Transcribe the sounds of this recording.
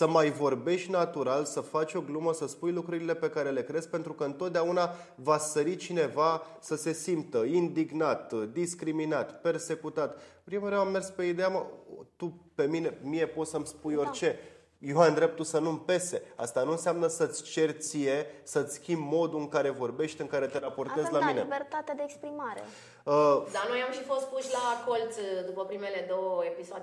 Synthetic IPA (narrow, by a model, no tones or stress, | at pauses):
səmajvo̞rbe̞ʃt̪ʲnat̪uɾalsəfat͡ʃʲo̞ɡluməsəspujlukɾuɾile̞pe̞kaɾe̞le̞kɾe̞z̥pe̞nt̪ɾukəɨnt̪ot̪̚d̪eauna | vasəɾit͡ʃine̞va | səse̞simpt̪əind̪iɡnat̪d̪iskɾiminat̪pe̞rse̞kut̪at̪pɾimuɾeamːe̞rspe̞id̪e̞amat̪upe̞mine̞mine̞po̞t̪səmspujo̞rʲt͡ʃe̞ | jead̪ɾe̞p̚t̪usənumpe̞se̞a̰st̪anuɨnseamnəsət̪sʲt͡ʃe̞rt̪sije̞sət̪sʲskʲimbmo̞d̪uɨŋkaɾe̞vo̞rbe̞ʃt̪ʲɨŋkaɾe̞t̪eɾapo̞rtaezlamineibert̪at̪ead̪eːkspɾimaɾḛ | əd̪ano̞jamʃifo̞st̪̚puʃʲlako̞lt̪sd̪upəpɾime̞le̞d̪o̞wəepisoad̪